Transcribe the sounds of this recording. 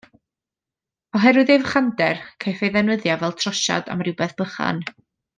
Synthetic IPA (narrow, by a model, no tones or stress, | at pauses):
ɔɦɛɾʊðevχandɛrkʰajθejðɛnwəðjavɛlˠtʰrɔʃa̰da̰mrɪwbɛθb̥əχa̰n